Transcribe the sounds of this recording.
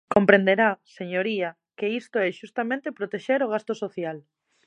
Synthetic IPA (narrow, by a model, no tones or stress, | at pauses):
kompɾẽnd̪eɾaseɲoɾia | keist̪oɛʃust̪amẽnt̪epɾot̪eʃeɾoɣ̞ast̪osoθjal